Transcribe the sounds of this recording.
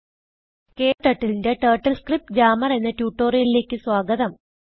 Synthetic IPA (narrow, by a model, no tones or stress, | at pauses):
ke̞ːʈːɐʈːilinde̞ʈɐːʈːɐlskrip̚ʈd͡ʑaːmɐrenːɐtjuːʈːo̞ːrijɐlile̞ːkːɨswaːɡɐðɐm